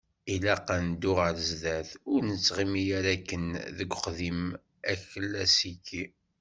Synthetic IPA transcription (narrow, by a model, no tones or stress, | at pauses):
ilæqənd̪ʊʁəɾzðæθʊɾnət͡sːʁimijæɾækːənðəɡʷχðim | æçəlːæsikːi